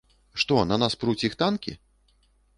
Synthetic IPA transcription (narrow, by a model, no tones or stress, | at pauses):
ʂt̪ɔnɐnaspɾut͡sʲixt̪ankʲḭ